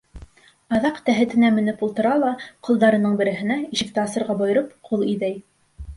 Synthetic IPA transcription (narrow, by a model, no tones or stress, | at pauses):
ɑðɑqt̪æɦɘ̆t̪ɘ̆næmɘ̆nɘpulˠt̪ɤ̆ɾɑlˠɑqŏlˠd̪ɑɾɤ̆nɤɴbɘ̆ɾɘ̆ɦɘ̆næiʃɘ̆k̚t̪æɑsɤ̆ɾʁɑbŏjɤ̆ɾɤpqʰulˠiðæj